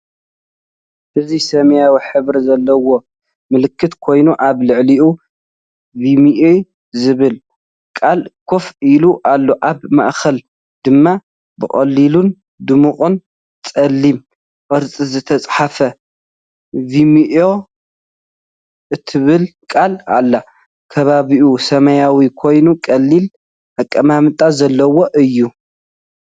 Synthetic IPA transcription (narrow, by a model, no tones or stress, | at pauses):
ʔɨzisɐmjawiħɨβɾzɐlːɐwo̞ | mɨlɨkːɨt̪kʰo̞jnuʔaβlɨʕliʔu | vimiʔo | zɨβɨl | kʼalkʰo̞filuʔalːo̞ʔaβma̰ʔxʰɐl | d̪̥ɨmːa | bɨχʼɐ̰lːilun | d̪ɨmuχʼun | t͡sʼɐlːim | ʔʼɨɾt͡sʼɨzɨt̪ʰɐt͡sʼħafɐ | vimiʔo | ʔɨt̪ʰɨβɨlkʼala̰lːa | kʰɐβaβiʔusɐmɐjawikʰo̞jnukʼɐlːil | ɐkʼːɐmamɨt̪ʼazɐlːɐwo̞ʔɨjːu